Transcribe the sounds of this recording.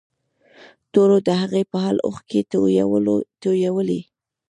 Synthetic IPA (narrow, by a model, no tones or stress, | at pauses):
t̪oɾod̪əɦaɣepəɦalʔo̰xke | t̪ojawəli